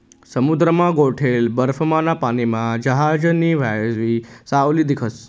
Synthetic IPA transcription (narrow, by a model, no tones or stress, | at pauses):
səmud̪ɾəmãɡoʈʰelbəɾfʰəmanapanimãd͡ʒəɦaːd͡ʑəniʋajzʋisauliːd̪ikʰəs